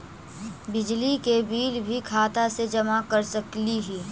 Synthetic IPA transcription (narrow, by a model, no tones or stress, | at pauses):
bɪd͡ʒlikebiːlbʱikʰaːt̪ased͡ʒɐmakɐɾsɐkliɦiː